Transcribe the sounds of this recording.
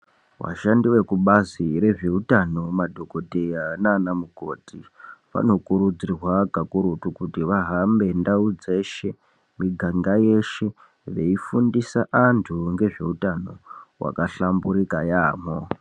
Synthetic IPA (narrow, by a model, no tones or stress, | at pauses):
wa̰ʃandiwe̞kuɓaziɾe̞ʐe̞utano̞madʱo̞ko̞dʱejanaːnamuko̞ːtʰiʋa̰no̞kuɾud͡zirwaɡʱakuɾutukutiʋaɦambe̞ndaud͡ze̞ʃe̞ | miɡʱaŋɡaje̞ʃe̞ | ʋe̞ifundisaʔantʰuŋɡe̞ʐe̞̰utano̞wʔa̰kaɬambuɾikajaːmo